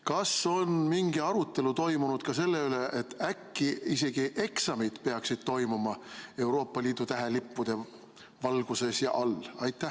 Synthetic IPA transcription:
kɑso̞nmiŋɡ̥iɑɾut̪ːˑe̞lut̪o̞jmunud̪̥̚kɑse̞lːe̞yle̞ʔet̪ːækːiise̞ɡ̥iʔe̞ksɑmid̪̥pe̞ɑksid̪̥̚t̪o̞jmumɑe̞wɾo̞ːpːɑliːd̪̥ut̪æɦe̞lipːud̪̥e̞ | vɑlɡ̥use̞sjɑ̰ʔɑlɑjt̪ːˑæh

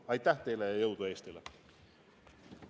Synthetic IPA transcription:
ɑjt̪ːˑæht̪e̞jlejɑjɤwd̪ueːst̪ele

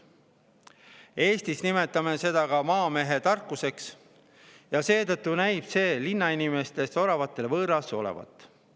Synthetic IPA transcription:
e̞ːst̪isnime̞t̪ːˑɑme̞se̞d̪̥ɑkɑmɑːme̞ɦe̞t̪ɑrkːˑuse̞ks | jɑse̞ːt̪ɤt̪ˑːunæjb̥se̞ːlinːɑinime̞st̪e̞so̞lɑvɑt̪ːˑe̞lvɤːɾɑso̞lḛvɑ̰t̪ːˑ

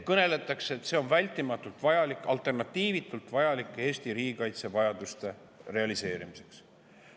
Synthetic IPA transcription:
kɤne̞le̞t̪ːˑɑkseet̪se̞o̞nvælʲt̪ːˑimɑt̪ːˑult̪ˑvɑjɑlikˑɑlt̪ˑe̞rnɑt̪ːiːvit̪ːˑult̪ˑvɑjɑlikˑːee̞ːsʲt̪iɾiːɡikɑjt̪se̞vɑjɑd̪̥ust̪e̞ | re̞ɑlise̞ːɾimise̞̥ks

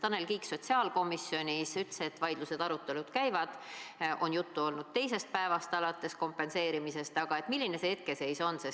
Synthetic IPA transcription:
t̪ɑne̞lkiːkso̞t̪ʲsiɑːlko̞misio̞nʲisyt̪se̞t̪ːˑvɑjd̪̥luse̞d̪̥ɑɾut̪ːˑe̞lud̪̥kæjvɑd̪̥ʔo̞njut̪ːuo̞lnud̪̥t̪e̞jse̞st̪̚pæevɑst̪ɑlɑt̪ːˑe̞sko̞mpːe̞nse̞ːɾimise̞st̪ɑɡ̥ɑe̞t̪ˑmilʲːine̞seet̪ke̞se̞jso̞nːses

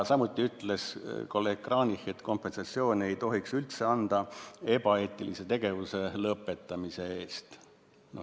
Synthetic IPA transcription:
sɑmut̪ːˑiyt̪ːˑle̞skolekrɑːnixe̞t̪ko̞mpe̞nsɑt̪sio̞ːne̞jt̪o̞ɦiksylt̪se̞ɑnd̪̥ɑe̞bɑe̞ːt̪ːˑilise̞t̪e̞ɡ̥e̞vuse̞lɤpːˑe̞t̪ːˑɑmise̞e̞ːst̪ | no

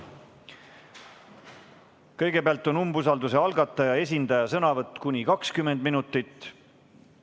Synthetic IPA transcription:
kɤ̞jɡ̥e̞peɑlt̪ːˑo̞numbus̬ɑld̪use̞ɑlɡɑt̪ːˑɑjɑe̞s̬ʲind̪ɑjɑsɤnɑvɤt̪ːˑkunʲikɑkskymːend̪minut̪ːˑit̪ː

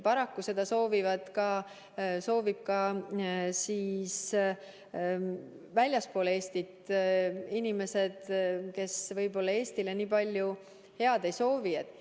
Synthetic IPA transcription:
pɑɾɑkːuse̞d̪̥ɑso̞ːvivɑd̪̥kɑ | so̞ːvib̥̚kɑ | siːs | vælʲjɑspo̞ːle̞ːst̪it̪ | inime̞se̞d̪̥ke̞svɤjbo̞lːɑe̞ːst̪ileniːpɑlʲju | he̞ɑd̪̥e̞jso̞ːviet̪ːˑ

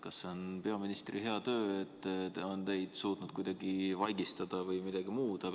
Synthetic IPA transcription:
kɑsːe̞onpe̞ɑminist̪rihe̞ɑt̪ø̞ːet̪ːo̞nt̪e̞jd̪̥suːt̪nud̪̥kujd̪̥ɑɡivɑjɡist̪ɑd̪̥ɑvɤjmid̪̥ɑɡ̥imuːd̪̥ɑ

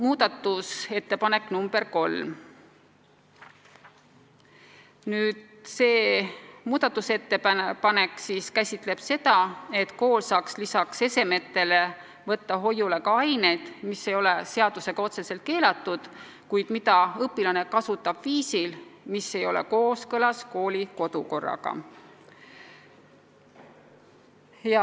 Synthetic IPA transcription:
muːd̪̥ɑt̪ːˑuse̞t̪ːe̞pɑne̞kːˑnumbe̞rko̞lː | nyːd̪̥ | se̞ːmuːd̪̥ɑt̪ːˑuse̞t̪ːe̞ppɑne̞kːsiːskæsʲit̪ˑle̞b̥se̞t̪ɑe̞t̪ko̞ːlsɑːkslisɑkse̞se̞me̞t̪ːe̞le̞ | vɤt̪ːɑɦo̞jːule̞kɑɑjne̞jd̪̥mise̞jo̞le̞se̞ɑd̪̥use̞ɡ̥ɑo̞t̪se̞se̞lt̪̚ke̞ːlɑt̪ːˑud̪̥ | kujd̪̥mid̪ɑɤpːˑilɑne̞kɑsut̪ːˑɑb̥viːsilmisːe̞jo̞̰lḛko̞ːskɤlɑsko̞ːlʲiko̞d̪̥uko̞rːɑ̰ɡ̥ɑ̰ | jɑ

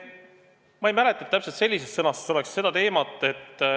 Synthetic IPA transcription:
mɑejmæle̞t̪ːˑɑet̪ːæpselt̪se̞lʲːisest̪sɤnɑsso̞le̞ksse̞d̪ɑt̪e̞ːmɑt̪ːˑe̞t̪ː

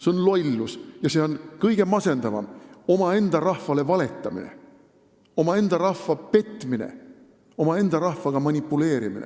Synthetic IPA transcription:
seonlo̞jlːusjɑse̞o̞nkɤjɡ̥e̞mɑse̞nd̪ɑvɑ̰mo̞mɑe̞nd̪̥ɑrɑhvɑle̞vɑle̞t̪ːˑɑmḭnḛ | o̞mɑe̞nd̪̥ɑɾɑhvɑpe̞t̪ːˑminḛ | o̞mɑe̞nd̪̥ɑɾɑhvɑɡ̥ɑmɑnʲipːˑule̞ːɾimḭnḛ

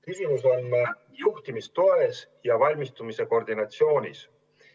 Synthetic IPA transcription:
kinʲimusonː | juht̪imist̪o̞esjɑvɑlʲmist̪umise̞ko̞rd̪̥inɑt̪sio̞ːnʲḭs

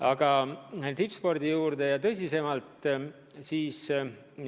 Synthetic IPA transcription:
ɑɡ̥ɑt̪ipspo̞rd̪̥ijuːɾd̪e̞jɑt̪ɤsʲise̞mɑlt̪ˑ | siːs

